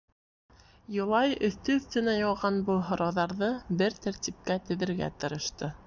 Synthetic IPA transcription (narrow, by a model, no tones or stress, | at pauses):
jɤ̆lˠɑjɵ̆θt̪ɵɵ̆θt̪ɵ̆næjɒlˠʁɑnbɤlˠɦŏɾɑwðɑɾðɤbɘɾt̪æɾt̪ʲip̚kæt̪ɵ̆ðɘ̆ɾɡæ̰t̪ɤ̆ɾɤ̆ʃt̪ɤ